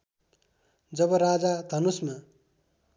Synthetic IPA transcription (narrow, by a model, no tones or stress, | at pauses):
d͡zʌbʌɾad͡zad̪ʱʌnusma